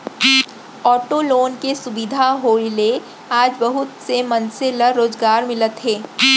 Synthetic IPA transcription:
ɔːʈoloːnkesʊbɪd̪ʱaɦoːile | aːd͡ʒbɐɦʊt̪semɐnseləɾoːzɡaːɾmɪlət̪ɦɛː

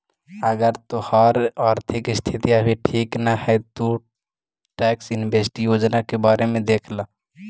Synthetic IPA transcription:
əɡəɾt̪ohaɾaːɾt̪ʰɪkɪst̪ʰɪt̪ijabʱiʈʰiːknahɛt̪o | ʈɛːksɪnbesʈjoːd͡ʒnakebaːɾemẽd̪eːkʰla

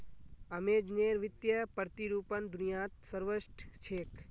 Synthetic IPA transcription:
ɐmeːd͡ʒneːɾʋɪt̪jɐpəɾt̪iɾuːpənd̪unijaːt̪səɾʋəʃʈʰt͡ʃʰeːk

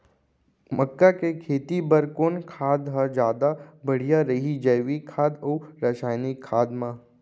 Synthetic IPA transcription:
məkːakekʰeːt̪ibəɾkoːnkʰaːd̪ɦəd͡ʒjaːd̪abəɽ̤ijaɾəɦid͡ʒɐʋikʰaːd̪oɾəʃaːjnikʰːaːd̪mã

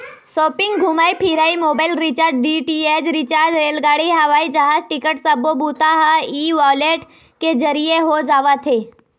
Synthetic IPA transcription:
ʃoːpɪ̃ŋɡɡʱʊmaːipʰiɾaːimoːbaːɪlɾɪt͡ʃaɾɖɖiʈied͡ʒɾɪt͡ʃaːɾd͡ʒɾeːlɡaːɽiɦɐʋaːid͡ʒɐɦaːd͡ʒʈɪkəʈsəbobuːt̪aɦaiːʋaːleːʈ | ked͡ʒɐɾijeɦod͡ʒaːʋat̪ʰeː

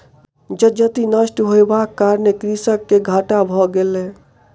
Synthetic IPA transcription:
d͡ʒəd͡ʒət̪inəsʈɦoebakːaɾnekɾisəkːeɡʱaʈabʱɔɡelɛ̃

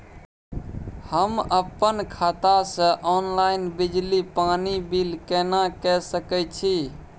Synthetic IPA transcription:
həməpːənkʰat̪asə̃ʔɔnlaɪnbid͡ʒlipanibilkɛnakɛsəkɛt͡ʃʰi

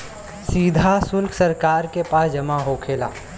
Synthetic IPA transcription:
siːd̪ʱasʊlkʰsɐɾkaːɾkepaːsd͡ʒɐmaɦokʰeːla̰ː

